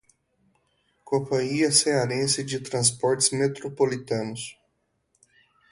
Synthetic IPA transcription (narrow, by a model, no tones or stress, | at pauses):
kõpɐ̃ɲiɐseaɾẽsɪd͡ʒɪt̪ɾɐ̃s̬pɔɾt͡ʃɪzmet̪ɾopolit̪ɐ̃nʊs